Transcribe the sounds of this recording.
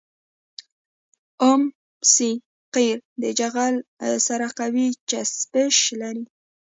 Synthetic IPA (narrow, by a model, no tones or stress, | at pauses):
ʊm | si | qiɾd̪əd͡ʒaɣalsaɾaqawit͡ʃaspəʃlaɾi